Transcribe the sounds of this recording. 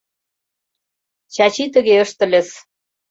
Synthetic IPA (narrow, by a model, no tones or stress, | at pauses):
t͡ɕɑt͡ɕit̪ə̆ɣeəʃt̪ə̆lʲə̆s